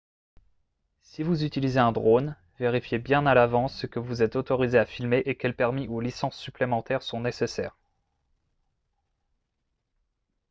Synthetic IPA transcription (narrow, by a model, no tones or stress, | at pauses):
sivuzyt̪ilizeɛ̃d̪ʁon | veʁifjebjɛ̃nalavɑ̃sːəkəvuzɛt̪ot̪ɔʁizeafilmeʔekʲɛlpɛʁmiʔolisɑ̃sːyplemɑ̃t̪ɛʁsɔ̃nesesɛ̰ːʁ